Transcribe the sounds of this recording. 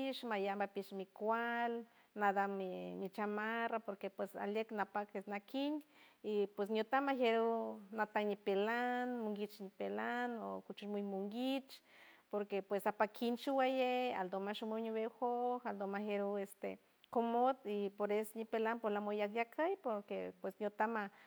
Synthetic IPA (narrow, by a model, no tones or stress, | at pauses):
iʃmajambapiʃmikʷal | nad̪amimit͡ʃamarapoɾkepwesa̰ljeknapakesnakʰinipwes̬njot̪amaheɾunat̪anipelanmuŋɡit͡ʃnipelano̰kut͡ʃumujmuŋɡit͡ʃ | poɾkepwesapakʰint͡ʃuwajea̰ld̪omaʃumuɲiβexohald̪omaheɾuest̪ḛ | komot̪ipoɾesonipelanpolamojakjakʰajpoɾkepwesnjot̪ama